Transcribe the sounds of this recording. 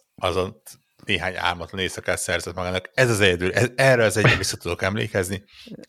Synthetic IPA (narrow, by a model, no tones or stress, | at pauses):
ɒzo̞nt̪ | neːɦaːɲa̰ːrmɒt̪lɒneːsɒkaːt̪sɛrzɛt̪mɒɡaːnːɒkɛzɒzɛɟɛd̪yːlɛɛrːøɒzɛɟɛvisːɒt̪ud̪o̞kɛmlḛːkɛzni